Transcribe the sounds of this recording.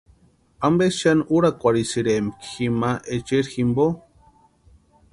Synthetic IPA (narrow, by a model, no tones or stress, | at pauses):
ambesʃanuɾakʷaɾisiɾemkximaʔet͡ʃeɾximbo